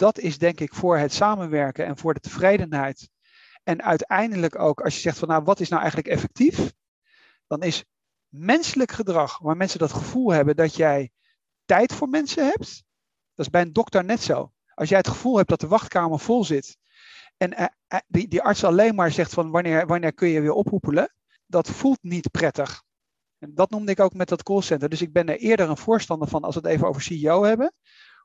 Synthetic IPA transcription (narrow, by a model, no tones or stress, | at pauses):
d̥ɑtɪzdɛŋkɪkfʊːɹɦətsaːmənʋɛɹkənɛ̰nvʊːɹdətəv̥rejdənɦɛjt | ɛnœ̰ɥtɛjndələko̰wkɑ̰lˠʃjəzɛχtfɑnːaʋɑtɪsnawʔɛ̰jχənləkɛfɛk̚tif | d̥ɑnɪs | mɛnsələkχədrɑχʋaːɹmɛnsəndɑtχəv̥ulˠɦɛbəndɑtjɛj | tɛjtfʊːɹmɛnsəɦɛp̚t | d̥ɑtɪzbɛjəndɔktəɹnɛtso̰w | ʔɑlˠsjɛjɦətχəv̥ulˠɦɛp̚d̥ɑtəʋɑχtkaːməɹv̥ɔlˠzɪt | ɛn | didiʔɑɹtsɑlejnmaːɹzɛχtfɑnʋɑnɪːɹʋɑnɪːɹkɵjəʋɪːɹʔɔpɦupələ | dɑtfulˠtnitprɛtəχ | ɛndɑtnumdəɪkowkmɛt̚dɑtkolˠsɛntəɹdɵsɪɡ̚bɛnəɹʔɪːɹdəɹənv̥ʊːɹstɑndəɹv̥ɑnɑ̰lˠsʋətejvəno̰wvəɹsiiowɦɛbən